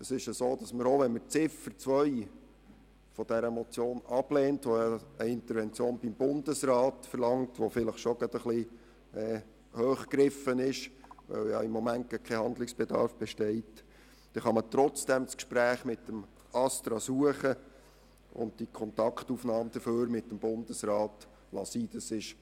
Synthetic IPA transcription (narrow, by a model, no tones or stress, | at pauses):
əsɪʃəsoːd̥ɑsməɾoʋɛnmət͡sɪfəɾt͡sʋœʏ | fɔd̥ɛɾəmɔt͡sjoːnɑb̥leːntʋojɑəɪnt̪əɾʋɛnt͡sjoːnb̥imb̥ʊndəsrɑːtfəɾlɑŋtʋofɪləχʃoɡ̥ɑd̥əχli | ɛː | høːχkɾɪfənɪʃʋœ̰wjɑ̰ɪmːɔmænt̚kɛkʰɛhɑnd̪lɪksb̥ɛd̪ɑ̰ɾfb̥ɛʃtɛɪt | d̥ɛχɑmət̪ɾɔt͡sd̥ɛmskʃpɾæːχmɪtːəm | ɑst̪ɾɑsuəχə | ʊ̰nt̚d̥ikʰɔnt̪ɑkχtufnɑːmd̪̥əføːɾmɪtːəmbʊndəsrɑːt | lɑ̰siːd̥̪əsɪʃ